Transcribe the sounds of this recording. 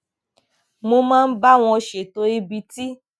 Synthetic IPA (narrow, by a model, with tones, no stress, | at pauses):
mo˧mãː˦˧n̩˦ba˦w̃ɔ̃˧ʃe˨to˧i˧bi˧ti˦